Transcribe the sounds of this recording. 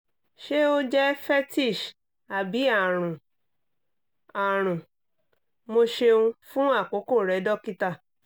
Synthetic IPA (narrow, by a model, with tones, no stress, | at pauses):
ʃe˦o˦d͡ʒɛ˦fɛ˦ti˦˨ʃ | a˨bi˨˦a˦˨ɾ̃ũ˨ | a˨ɾ̃ũ˨ | mo˧ʃe˧ũ˧fũ˦a˦˨ko˨˦ko˦˨ɾɛ˨˦dɔ˦ki˦ta˦˨